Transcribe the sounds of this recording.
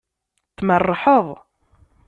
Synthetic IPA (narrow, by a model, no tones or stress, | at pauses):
θmərˤːħəðˤ